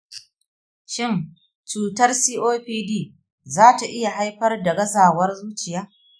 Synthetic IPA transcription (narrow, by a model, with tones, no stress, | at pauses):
ʃɪ˦˨n | t͡ʃuː˨tɐ˦rsiː˦ʔoː˦ɸiː˦diː˦˨ | zaː˦ta˨ʔɪ˦ja˨ɦa˦jɸɐ˦rdɐ˨ɡɐ˦zaː˨wɐ˦rzuː˦t͡ʃɪ˨jaː˦